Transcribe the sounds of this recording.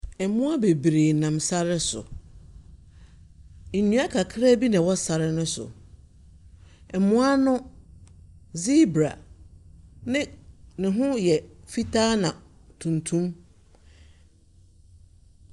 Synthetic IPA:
ɛ˨˦mʊ̃˦a˦be˨bɾe˨nã˨msa˦ɾɪ˦sʊ̰˨ | e˨nũ˦a˦kʰa˨kʰɾa˦bi˦nã˨wɔ˦sa˨ɾɪ˦nʊ̃˦sʊ̰˨ | ɛ˨mʊ̃˦a˦nʊ̃˦ | zi˦bɾa̰˨ | nɪ̃˦nɪ̃˨ɦʊ̃˦jɛ˨fi˦tʰaː˦nã˨ | tʰũ˨ntʰũ˦m

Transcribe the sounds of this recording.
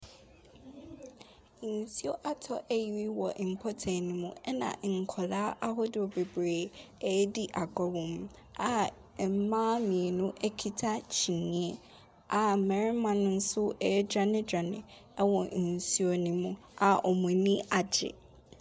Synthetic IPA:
n̩˨si˦o˦ʔa˨tʰɔ˨ʔɛ˦ji˨ɾi˦wɔ˨ʔi˨m̩˨pʰɔ˦tʰɛ̃˨nĩ˦mũ˨ɛ˦nã̰˨ŋ̩˨kʰɔ˨la˦ʔa˦ɦɔ˦dɪ˨ɔ˨be˨bɾeː˨ɛ˨˦di˦ʔa˨ɡɔ˨wɔ̃˨m | a˨ | m̩˦mãː˦mĩ˨e˨nʊ̃˦ʔɛ˦kʰi˦tʰa˦t͡ɕʰi˨nĩ˨˦ɛ˦ | a˨mɛ˨ɾɪ˦mã˨nʊ̃˦n̩˦sʊ˦ɛ˨˦dɾa˨nɪ̃˦dɾa˨nɪ̃˨ | ɛ˦wɔ̃˨n̩˨si˦o˨nĩ˨mũ˨ | a˨ʔɔ˨mũ˨nĩ˦ʔa˨d͡ʑɪ̰˨

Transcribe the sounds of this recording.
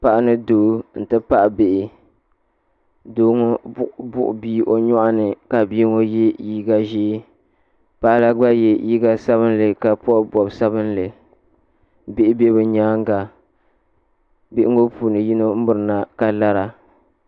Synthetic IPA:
pa˨ʔa˦nɨ˦doː˨n̩˨tɨ˦pa˦ʔbe˨ʔɪ˨ | doː˦ŋo˦bʊ̰˦ʔʊ̰˨biː˦ʔo˦ɲɔ˦ʔa˦nɨ˨ka˨bi˦ŋo˦jɛ˦ji˦ɡa˦ʒiː˦ | pa˦ʔla˦ɡ͡ba˦jɛ˨ji˦ɡa˦sa˦βɨ˦n˦lɨ˨ka˨pɔ˦bɔ˨bsa˦bɨ˦n˦lɨ˨ | be˦ʔɪ˦be˦bɨ˨ɲaː˦ŋ˦ɡa˨ | bɪ˨ʔɪ˦ŋo˦puː˨nɨ˨ji˦no˦m̩˦bʊ˨ɾɨ˨na˨ka˨la˦ɾa˨

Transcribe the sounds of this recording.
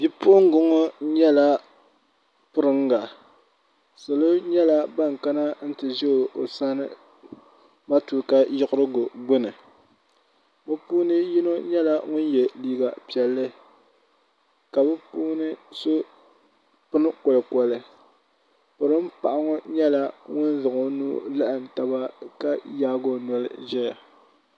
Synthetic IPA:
bi˦pʊ˦ʔʊ˦ŋ˦ɡʊ˦ŋɔ˦ɲɛ˦la˦ | pʊ˦ɾɨ˦ŋɡa˨ | sɨ˨lo˦ɲɛ˦la˦ba˦ŋka˦na˦n̩˦tɨ˨ʒɛ˦o˨o˨sa˦nɨ̰˨ | ma˦tuː˨ka˦jʊ˦kʊ˦ɾɨ˦ɡʊ˨ɡ͡bʊ˦nɨ˨ | bʊ˦puː˦nɨ˦ji˦no˦ɲɛ˦la˦ŋʊ˦n˦jɛ˨liː˦ɡa˨pi˨ɛ˨lːɨ˦ | ka˨bʊ˦puː˦nɨ˦so˦ | pɨ˦nɨ˦kɔ˨lɨ˨kɔ˨lɨ˨ | pʊ˨ɾɨ˦m̩˦pa˨ʔa˦ŋɔ˦ɲɛ˦la˦ŋʊ˦n˦zɨ˨ŋo˨nuː˦la˦ʔɨ˨n˨ta˦ba˦ka˦jaː˦ɡo˦nɔ˦lɨ̰˦ʒɛ˦ja˨

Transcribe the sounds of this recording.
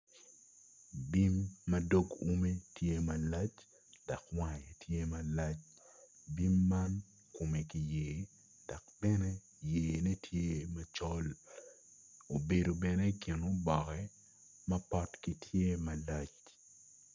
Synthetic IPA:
bi˦mːɐ˦do˦ɡu˦me˦tʰje˦mɐ˨la˦t͡ʃ | d̥a˨kwa˨je˨tje˦mɐ˨la˦t͡ʃ | bi˦mːa˦n | ko˨me˨ki˨jeː˨ | da˨kbɛ˦ne˦ | jeː˨ne˦tʰje˦mɐ˦t͡ʃɔ˦l | o˨be˨do˨bɛ˨ne˦kɪ˨no˦bɔ˨kɛ˦ | mɐ˦pɔ˦tki˨tʰje˦mɐ˨la˦t͡ʃ

